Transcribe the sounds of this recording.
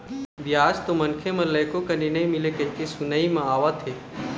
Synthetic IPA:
biaːd͡ʒt̪omɐnkʰemɐ̃lɐjkokɐninɐĩmɪlekɐɦikesʊnəimãaːʋat̪ʰeː

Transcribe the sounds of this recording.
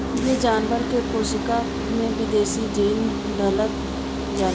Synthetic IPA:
jed͡ʒaːnʋəɾkekoːʃɪka | mẽʋɪd̪eːsid͡ʒiːn | d̪ələt̪ | jaː

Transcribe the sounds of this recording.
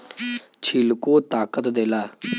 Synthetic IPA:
t͡ʃʰilkoːt̪aːkət̪d̪eːlaː

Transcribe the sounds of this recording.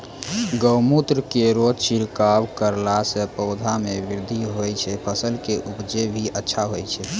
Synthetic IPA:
ɡəwmut̪ɾəkeɾod͡ʒt͡ʃiɾkabkəɾlasəpɔʊd̪ʱamebiɾd̪ʱiɦojt͡ʃʰɛpʰəsəlkeʔupd͡ʒebʱiʔətːʃʰaɦojt͡ʃʰɛ

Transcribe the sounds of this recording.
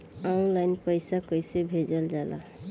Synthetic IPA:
aʊ̃nlajnpəjsakəjsebʱed͡ʒəld͡ʒala̰

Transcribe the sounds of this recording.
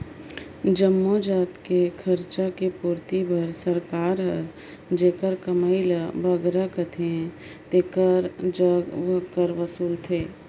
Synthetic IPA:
d͡ʒəmːod͡ʒaːt̪kekʰɐɾt͡ʃakepuːɾt̪ibʱɐɾsəɾkaːɾɦəɾ | d͡ʒeːkəɾkəməilabʱɐɡɾakət̪ʰe | t̪eːkəɾd͡ʒəɡkəɾʋəsuːlt̪ʰeː

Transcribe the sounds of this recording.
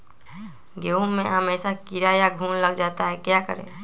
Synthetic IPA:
ɡeũmḛɦəmeːsakiɾajaɡʱuːnləɡd͡ʒaːt̪aɦɛkjakə̰ɾḛ̃

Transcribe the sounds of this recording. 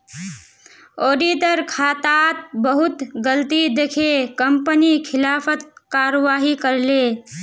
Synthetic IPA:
oːɖiːt̪əɾkʰaːt̪aːt̪bəɦʊt̪ɡəlt̪id̪ekʰekəmpənikʰɪlaːfət̪̚kaːɾʋaːɦikəɾleː

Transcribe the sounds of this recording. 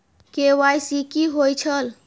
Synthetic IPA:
kewajsikiɦojt͡ʃʰəl

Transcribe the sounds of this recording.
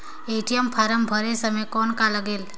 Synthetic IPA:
eʈijəmpʰaɾəmbʱəɾesəmekɔnkaləɡel

